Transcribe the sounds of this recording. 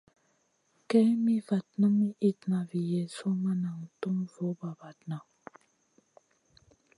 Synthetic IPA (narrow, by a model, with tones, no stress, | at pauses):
kɛ˦mi˦va˨t̚nə˦mi˦ʔi˦tna˨vi˨jɛ˨so˦ma˦na˨ŋ˨tu˦mvo˨˦ba˨va˨tna˨